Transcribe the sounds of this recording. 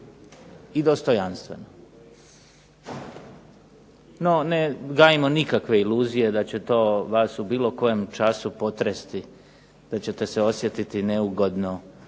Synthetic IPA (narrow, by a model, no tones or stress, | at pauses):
id̪o̞st̪o̞janst̪ʋe̞̰no | no̞neɡaːjimonikakʋe̞ilˠuːzije̞d̪at͡ɕe̞t̪o̞ːʋaːsubiːlo̞ko̞jemt͡ʃasupo̞t̪ɾest̪i | d̪̥at͡ɕe̞t̪e̞seo̞sjet̪it̪ineuɡo̞d̪no